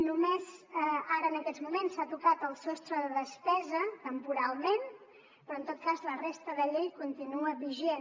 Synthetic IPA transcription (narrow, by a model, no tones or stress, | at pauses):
numezəaɾəːnəkɛzmumensat̪ukat̪əlˠsɔst̪ɾəðəðəspɛzət̪əmpuɾalˠmen | pɾɔənt̪ot̪̚kazlərest̪əðəʎeʎkunt̪inuəβiʒen